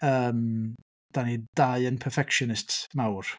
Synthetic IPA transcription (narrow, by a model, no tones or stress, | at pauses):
əːm | d̥anidaɨənpʰɛfɛkʃɔnɪstmawr